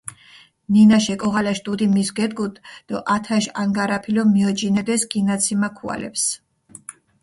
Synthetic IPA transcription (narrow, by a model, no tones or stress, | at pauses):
ninaʃɛkʼɔʁalaʃt̪ʼud̪imisɡɛd̪ɡud̪d̪̥ɔʔat̪ʰaʃaŋɡaɾapʰilɔmiɔd͡ʒinɛd̪ɛsɡinat̪sʰimakʰua̰lɛ̰ps